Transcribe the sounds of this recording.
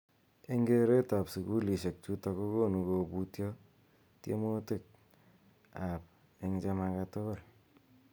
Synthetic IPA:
e˦ŋɡe˦ɾe˦ta˨psu˨ku˦li˨ʃe˨k̚t͡ʃu˦tako˦ko˦nukobutjɔ˦ | tjḛ˦mo˦te˦k̚ | a˨p̚ | e˦ŋt͡ʃa˦makato˦bɔ˦˨l

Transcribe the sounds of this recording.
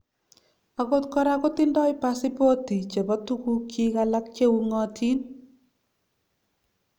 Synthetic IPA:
a˨ɣo˦t̚kɔ˦ɾa˦ko˦tɪ˦ndɔ˦ɪ˦pa˦si˦po˦ti˨t͡ʃe˨bɔ˦tu˦ku˦kʰi˦ɣala˦k̚t͡ʃe˦u˦ŋɔ˨tʰi˦n

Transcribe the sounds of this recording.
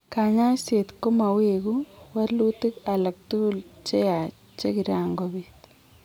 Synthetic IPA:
ka˨ɲa˦se˨t̪ko˦ma˨we˨ku˦wa˦rlu˦ti˦ka˨la˨k̚tu˦u˦lt͡ʃe˦ja˨ | t͡ʃe˦ki˨ɾa˨ŋɡobit̪

